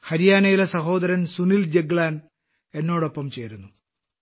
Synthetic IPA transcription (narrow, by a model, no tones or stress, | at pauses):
hɐɾijaːnɐjilesɐɦo̞ːd̪ɐɾɐnsunild͡ʑeɡlaːn | e̞nːo̞ːɽo̞pːɐmt͡ɕe̞ːɾunːu